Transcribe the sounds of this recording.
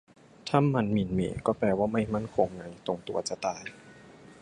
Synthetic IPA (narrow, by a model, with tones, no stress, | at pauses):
t̪ʰa˥˨mːa˧nmi˨˦nmḛː˨˩˦kɔː˥˩plɛː˧waː˥˩ma˥˩jma˥˩˨nkʰo˧ŋːa˧˩jt̪o˧ŋt̪u˧ɐt͡ɕa˧t̪aː˧j